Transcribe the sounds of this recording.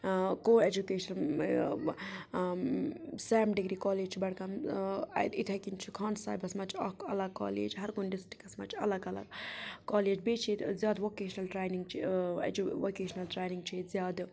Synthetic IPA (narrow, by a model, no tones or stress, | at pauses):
koːed͡ʒukeːʃɐn | sɛʋmɖiɡɾiːkɔːleːd͡ʒt͡ʃʰibɐɽkɐm | it̪ʰɐkint͡ʃʰikʰaːnsa̰ːjbɐsmɐt͡ʃʰɐkɐlɐɡ̚ka̰ːlḛːd͡ʒɦɐɾkʊnɖɪsʈi̥kɐsmɐt͡ʃʰɐlɐɡɐlɐ̰ɡkaːleːd͡ʒbeːt͡ʃʰizjaːd̪ʋoːkeːʃɐnɐlʈɾeːjniŋɡt͡ʃʰḭd͡ʒuʋoːkeːʃnɐlʈɾeːniŋɡ̚t͡ʃʰizjaːd̪